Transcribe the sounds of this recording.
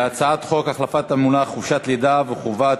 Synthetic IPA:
at͡saat̪χo̞kaχlafat̪amunaχuvʃat̪lid̪aveχuvat

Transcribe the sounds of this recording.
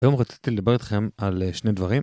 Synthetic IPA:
ajo̞mʁat͡si̥t̪iled̪abe̞ʁit̪χe̞malʃned̪vaʁim

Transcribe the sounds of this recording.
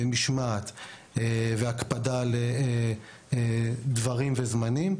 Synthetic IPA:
miʃmat̪ | eveakpadale | d̪vaʁimvezmanim

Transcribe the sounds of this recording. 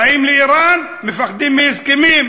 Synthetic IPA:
aimleʔiɾan | mefaχd̪imːihɪzkemiːm

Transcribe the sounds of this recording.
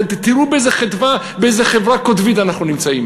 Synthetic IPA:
t̪iɾubeejzeχetva | beejzeχevɾakot̪vitanaχnunimt͡saim

